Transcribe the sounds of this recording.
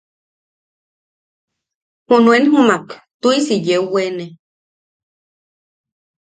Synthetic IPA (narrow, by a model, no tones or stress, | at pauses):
hunuenɦumakt̪uisijewwene